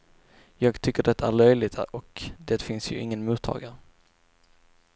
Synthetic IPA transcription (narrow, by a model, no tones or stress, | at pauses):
jɑːɡt̪ʰʏkːəɖɛt̪ːaæɭœjlɪt̪ɔkd̪eːt̪fɪnsjɵ̰ʔɪŋːənmuːt̪ʰːɑ̰ːɡaɾ